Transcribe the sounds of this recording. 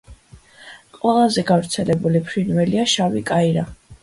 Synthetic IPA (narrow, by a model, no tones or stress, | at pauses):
qʼwɛlˠazɛɡavɾt̪sʰɛlɛbulipʰɾinvɛliaʃavikʼaiɾa